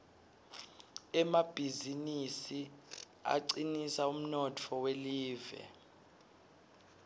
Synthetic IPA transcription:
ɛmab̥ʱizinisi | a̰ǀinisaum̩nɔtʰɔweliːvɛ̰

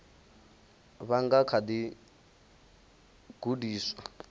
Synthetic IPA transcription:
βaŋɡakʰadi | ɡ̥udiːswa

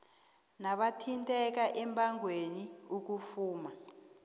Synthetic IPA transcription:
naɓatʰintʼɛk̬aʔɛmbʰʱʼaŋweniuk̬ufuːma

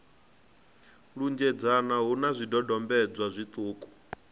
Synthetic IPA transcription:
ɺund͡ʒɛd͡zanaɦunazʷidɔdɔmbɛd͡zwazʷit̪ʼuːkʼu̥

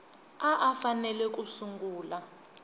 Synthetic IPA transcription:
aʔafanɛlɛk̬ʼusuŋɡuːla

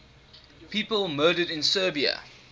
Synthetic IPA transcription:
piːpəlmɜːɾədɪ̃nsəːbiə̰

